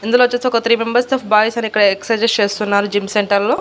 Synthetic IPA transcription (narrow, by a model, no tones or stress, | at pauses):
ind̪uloʋɐt͡ʃːest̪eɔkɐt̪ɾiːmembɐɾst̪ɐpʰbaːjisɐniikːɐɽɐeksɐd͡ʒest͡ʃe̞ːst̪unːaːɾud͡ʒimseɳʈɐɾlo̞ː